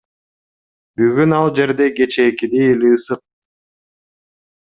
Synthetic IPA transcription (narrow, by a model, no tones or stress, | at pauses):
byɡynɑlˠd͡ʒe̞ɾd̪eɡe̞t͡ʃeːkid̪ielʲiːsɯq̚